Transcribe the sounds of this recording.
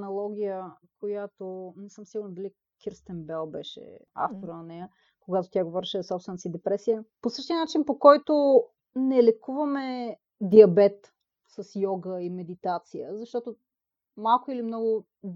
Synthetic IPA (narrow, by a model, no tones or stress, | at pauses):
nɐlˠɔɡʲijəkojat̪onɛsɤmsiɡʊɾnɐd̪ɐli | kiɾst̪ɛmbɛlˠbɛ̰ʃɛ̰a̰ft̪oɾənɐnɛjə | koɡat̪ot̪ʲjaɡovɔɾiʃɛzɐsɔpsvɛnɐsid̪ɛpɾɛsijəposɤʃt̪iənat͡ʃinpokɔjt̪o | nɛlɛkuvɐmɛ | d̪iɐbɛt̪ | sɐsjɔɡəimɛd̪it̪at̪sijəzɐʃt̪ɔt̪o | malˠkʊilimnɔɡʊ